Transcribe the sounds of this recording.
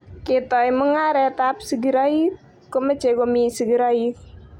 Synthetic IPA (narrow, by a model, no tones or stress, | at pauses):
kit̪ɔiməŋaɾɛt̪ap̚səɡəɾai | kəmə̥t͡ʃekomisəɡɾɔi